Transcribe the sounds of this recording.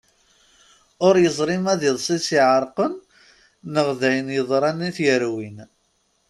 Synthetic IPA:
ʊɾjəzˤɾˤimæðiðˤsˤisiʕəɾˤqənː | əʁðæjənjəðˤɾˤɑnːiθjəɾwin

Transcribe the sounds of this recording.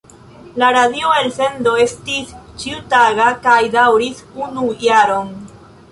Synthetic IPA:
laɾadioelse̞ndo̞e̞stist͡ʃiutaɡakajdawɾisunujaɾo̞n

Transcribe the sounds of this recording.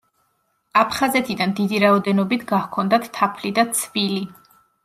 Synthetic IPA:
apʰχazɛt̪ʰid̪and̪id̪iɾaɔd̪ɛnɔbit̪ʰɡakʰɔnd̪at̪ːʰapʰlid̪at̪sʰvili

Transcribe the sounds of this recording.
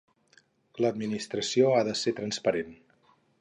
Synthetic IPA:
ləd̪̚minist̪ɾəsioaðəset̪ɾənspəɾen

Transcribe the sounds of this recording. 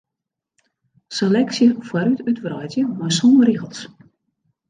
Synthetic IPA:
selɛksjəfwaɾytytʋrɔjtjəmɔjsumriɣəlˠs

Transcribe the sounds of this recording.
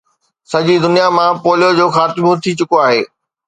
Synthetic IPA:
sɐd͡ʑid̪ʊnijamãpoːljod͡ʑoːxaːt̪ɪbõt̪ʰit͡ɕʊkoaːɦeː

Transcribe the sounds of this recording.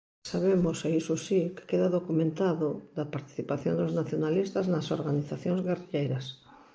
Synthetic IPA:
saβemoseisosikɪ̥keðaðokumẽnt̪aðoðɐpaɾt̪i̥θipaθjond̪oznaθjonalist̪ɐznɐso̰ɾɣaniθaθjõŋzɣeriʎejɾɐs

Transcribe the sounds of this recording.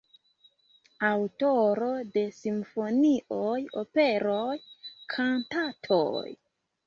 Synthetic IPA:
awtoɾo̞de̞simfo̞niʔojope̞ɾojkʰantatʰo̰j

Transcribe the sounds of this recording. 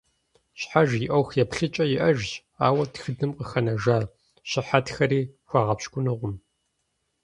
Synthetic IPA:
ɕħaʒjɪʔɐwxjɛpɬɨt͡ʃʼɐjɪʔɐʒʑ | aːwɐtxɨdɨmqəxɐnɐʒaː | ɕɪħatxɐɾiːxʷɑʁɐpʃkʷʼʊnɨʁʷʊm

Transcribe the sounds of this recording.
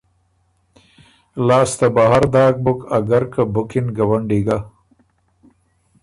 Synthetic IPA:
laːst̪abaɦaɾd̪ɑːk̚bʊkaɡaɾkabʊkɪnɡawaɳɖiɡa

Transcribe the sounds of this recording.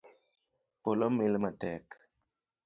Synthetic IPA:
polɔmelmatɛk

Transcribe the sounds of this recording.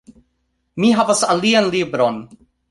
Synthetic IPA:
miɦavasalianlibɾon

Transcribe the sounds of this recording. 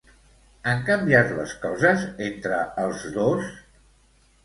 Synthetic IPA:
əŋkəmbiat̪lə̰skɔzəzent̪ɾəəlˠzðos

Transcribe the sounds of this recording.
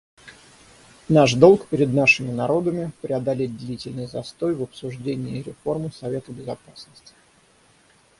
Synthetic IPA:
naʂd̪o̞lˠkpʲɪɾʲɪd̪naʂɨmʲɪnɐɾo̞d̪əmʲɪpɾʲɪɐd̪ɐlʲet̚ʲd̪lʲitʲɪlʲnɨjzɐst̪o̞jvəpsʊʐdʲenʲɪːɾʲɪfo̞rmɨsɐvʲe̞t̪əbʲɪzɐpasnəsʲtʲɪ̥

